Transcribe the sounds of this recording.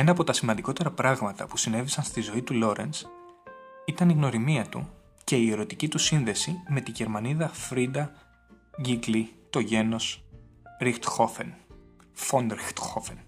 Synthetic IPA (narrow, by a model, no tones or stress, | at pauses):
e̞nɐːpo̞t̪ɐsimɐnd̪iko̞t̪e̞ɾɐpɾɐɣmɐt̪ɐ̰pusine̞visɐnst̪izo̞it̪ulo̞ɾe̞̰ns | it̪ɐniɣno̞ɾimiɐt̪ṵ | ce̞ie̞ɾo̞t̪icit̪usinðe̞sime̞t̪iʝe̞ɾmɐniðɐfɾid̪ɐ | ʝiɡlit̪o̞ʝe̞no̞s | ɾixt̪xofen | fond̪ɾxt̪xofen